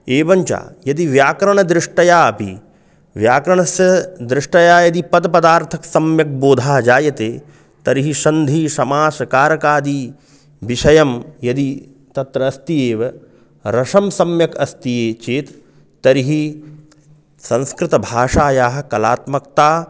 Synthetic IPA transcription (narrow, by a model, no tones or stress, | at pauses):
eːʋɐɲt͡ʃa̰ːjɐd̪iʋjaːkɾɐɳɐd̪ɾɪʂʈɐjaːɐpḭ | ʋjaːkɾɐɳɐsjɐd̪ɾɪʂʈɐjaːjɐd̪ipɐd̪pɐd̪aːɾt̪ʰɐksɐmjɐk̚boːd̪ʱaːɐd͡ʒaːjɐt̪eː | t̪ɐɾiɦiʃɐnd̪ʱiːʃɐmaːsɐkaːɾɐkaːd̪i | ʋiʃɐjɐmjɐd̪i | t̪ɐt̪ɾɐːst̪ijeːʋɐ | ɾɐʂɐmsɐmjɐkɐst̪ijeːt͡ʃeːt̪ː | ɐɾiɦi | sɐ̃nskɾɪt̪ɐbʱaːʂaːjaːɦɐ̆kɐlaːt̪mɐk̚t̪aː